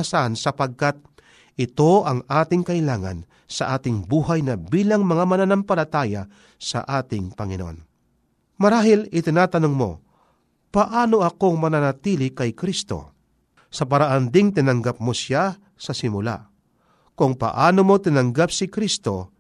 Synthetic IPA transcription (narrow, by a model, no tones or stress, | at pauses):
sansɐpɐɡ̚kat̪̚ | ʔɪt̪o̞ʔɐŋaːt̪ɪŋkɐʔɪlaːŋɐ̰n | sɐ̰ʔaːt̪ɪŋbuːɦajnɐbiːlɐŋmɐŋamɐnanɐmpɐlɐt̪aːja | sɐ̰ʔaːt̪ɪŋpɐŋɪno̰ʔo̰n | mɐɾaːɦɪlɪt̪ɪnaːt̪ɐnoŋmo̞̰ | pɐʔaːno̞ʔɐko̞ŋmɐnanɐt̪iːlɪkɐjkɾist̪o̞̰ | sɐpɐɾaʔand̪ɪŋt̪̬ɪnɐŋɡap̚mosja | sɐsɪmʊla̰ | kʊŋpɐ̰ʔaːnomo̞t̪ɪnɐŋɡapsɪkɾist̪o̞